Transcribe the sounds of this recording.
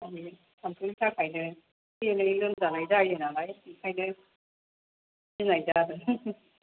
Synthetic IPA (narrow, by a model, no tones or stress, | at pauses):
ami | samkʰɯŋsʰakʰajnɯ | jɯnɯilɯnzanajzajɯnalajikʰajnɯ | inajzadɯ